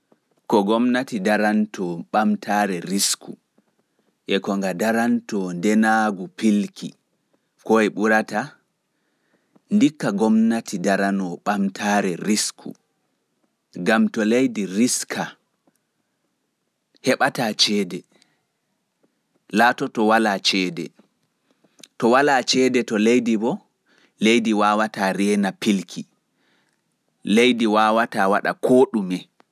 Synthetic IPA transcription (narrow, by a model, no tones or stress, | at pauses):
kɔɡɔmnatidaɾantɔɓamtʰaːɾɛɾiskṵ | ʔɛkɔŋɡadaɾantɔndɛnaɡupilkʰḭ | kɔɛɓuɾata | ndikːaɡɔmnatidaɾanɔɓamtʰaːɾɛɾiskʰṵ | ɡamtɔlejdiɾiskʰa | hɛɓataːt͡ʃɛːdɛ | laːtɔtɔwalat͡ʃɛːdɛ̰ | tɔwalat͡ʃɛːdɛtɔlejdibɔ | lejdiwaːwataɾɛːnapilkʰi | lejdiwaːwatawaɗa̰kʰoːɗumɛ